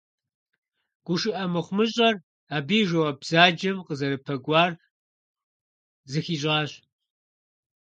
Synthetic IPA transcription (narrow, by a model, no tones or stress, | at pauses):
ɡ̥ʷʊʃɨʔɐmɨχʷmɨɕʼɐr | aːbiːʒɐwɐbz̥aːd͡ʒɐmqəzɐɾɨpʰɐɡʷɑːr | zɨxiːɕʼɑːɕ